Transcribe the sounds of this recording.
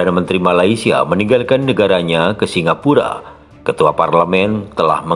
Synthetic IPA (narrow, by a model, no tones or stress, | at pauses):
anamənt̪ɾimalaisia̰məniŋɡalkanːəɡaɾaɲakəsiŋapuɾa̰ | kət̪uaparləmɛnt̪əla̰hmə